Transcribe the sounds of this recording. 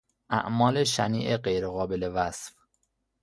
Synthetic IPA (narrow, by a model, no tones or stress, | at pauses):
ʔæ̰ʔmɒːleʃænḭːʔeɢejɾeɣɒːbelevæsf